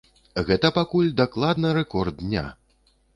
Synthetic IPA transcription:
ɣɛt̪ɐpakulʲd̪aklˠad̪nɐɾɛkɔrd̪̚nʲa̰

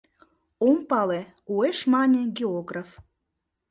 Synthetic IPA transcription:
ompɑle | ueʃmɑnʲeɡʲeoɡraf

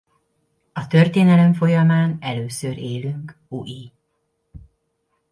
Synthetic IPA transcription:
ɒt̪ørt̪eːnɛlɛɱfo̞jɒmaːnɛløːsøɾeːlyŋk | uʔi

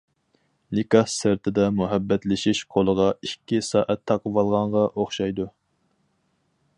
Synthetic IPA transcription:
likɑsːɪɾt̪ʰɪd̪ɛmuɦɛbːɛt̪lɪʃiʃqʰolˠəʁɑikʲʰːisɑːʔɛt̪ʰːɑqəvɑlˠʁɑɴʁɑʔoχʃɑjd̪u

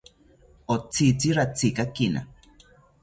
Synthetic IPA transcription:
ot͡sit͡siɾat͡sikakina̰

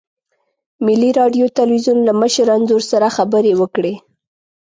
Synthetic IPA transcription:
mɪliɾɑɖjot̪alwizunlaməʃəɾanzoɾsaɾaxabəɾewəkɽe

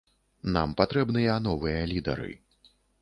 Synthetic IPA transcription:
na̰mpat̪ɾɛbnɨjɐnɔvɨjɐlʲid̪ɐ̰ɾɨ̰

